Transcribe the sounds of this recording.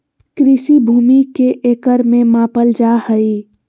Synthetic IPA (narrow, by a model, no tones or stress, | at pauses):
kɾɪsibʱuːmikeʔeːkəɾmẽmãːpəld͡ʒahəi